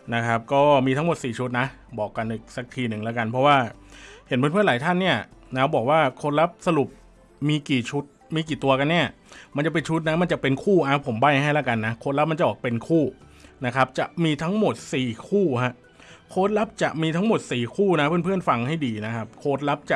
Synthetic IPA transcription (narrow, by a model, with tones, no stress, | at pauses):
na˦˥kʰa˦˥p̚kɔː˥˩miː˧t̪ʰa˦˥mo˨˩t̪̚siː˨˩t͡ɕʰu˦˥t̪̚na˦˥ | bɔː˨˩kːa˧nʔiː˨˩k̚sa˨˩k̚t̪ʰiː˧nɯ˨˩ŋlɛː˦˥ka˧npʰɔ˦˥waː˥˩he˩˦npʰːnpɯ˥ə˨nlaː˨˦t̪ʰa˥˩nːi˥˩ɐnaː˦˥bɔː˨˩k̚waː˥˩kʰoː˧˥t̪̚la˦˥p̚sa˧lu˨˩p̚ | miː˧kiː˨˩t͡ɕʰu˦˥t̪̚miː˧k̬iː˨˩t̪u˧ɐka˧nːi˥˩ɐ | ma˧nt͡ɕa˨˩p̬e˧nt͡ɕʰu˦˥t̪̚na˦˥ma˧nt͡ɕa˨˩pe˧nkʰuː˥˩ʔa˧˩pʰo˩˦mba˥˩jɦa˥˩jlaː˦˥˩ka˧nːa˦˥kʰo˧˥t̪̚la˦˥p̚ma˧nt͡ɕa˨˩bɔː˨˩pe˧nkʰuː˥˩na˦˥kʰa˦˥p̚t͡ɕa˨˩ʔmiː˧t̪ʰa˦˥ŋmo˨˩t̪̚siː˨˩kʰuː˥˩ɦa˦˥ʔ | kʰoː˦˥t̪̚la˦˥p̚t͡ɕa˨˩ʔmiː˧t̪ʰa˦˥ŋmo˨˩t̪̚siː˨˩kʰuː˥˩na˦˥pʰɯ˥˩˨npʰɯ˥˩ənfa˧ŋha˥˩jdiː˧na˦˥kʰa˦˥p̚kʰoː˦˥t̪̚la˦˥p̚t͡ɕa˨˩